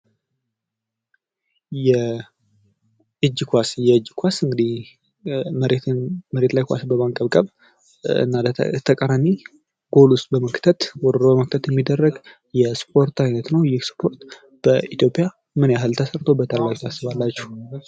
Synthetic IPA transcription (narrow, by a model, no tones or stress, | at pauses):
jɛ | ʔɨd͡ʒkʰʷasjɛɨd͡ʒːkʰʷasɨŋɡɨd̪i | mɾenməɾe̞t̪lajkʷa̰sbəβaŋkʼəβkʼəβ | ɨ̰nːat̪ʰəkʼəɾami | ɡ̥o̞lʊst̪ʼbəməkt̪ʰət̪wɔɾɾobəməkt̪ʰət̪jɛmːid̪ːərːəɡ | jɛspʰo̞ɾt̪ʰajnət̪nəwjɪhspʰo̞ɾt̪ | b̥əit̪jo̞pʼja | mɨnjaɦɨlt̪ʰəsəɾt̪ʰobət̪ʰəlːaɡt̪ʰasːɨβalːat͡ʃːɛh